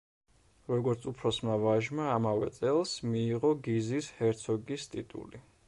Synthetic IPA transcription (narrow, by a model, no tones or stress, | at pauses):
ɾɔɡɔɾt̪sʰupʰɾɔsmavaʒmaːmavɛt̪sʼɛlˠsmiːʁɔɡizishɛɾt̪sʰɔɡist̪ʼit̪ʼṵli